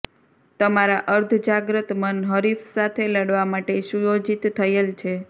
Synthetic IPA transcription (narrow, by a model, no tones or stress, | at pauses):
t̪əmaɾaʔəɾd̪ʱd͡ʒaɡɾət̪mənɦəɾifsat̪ʰeləɽʋamaʈeʃujod͡ʒit̪ːʰəjelt͡ʃʰe